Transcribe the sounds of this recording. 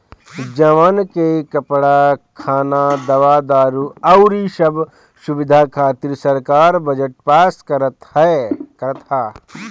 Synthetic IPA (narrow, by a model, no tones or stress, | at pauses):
d͡ʒɐʋaːnkekɐpɽakʰaːnad̪ɐʋaːd̪aːɾuɐwɾiʃɐb | ʃubɪd̪ʱaːkʰaːt̪iɾsɐɾkaːɾbɐd͡ʒəʈ̚paːskɐɾət̪hɛkɐɾt̪ʰaː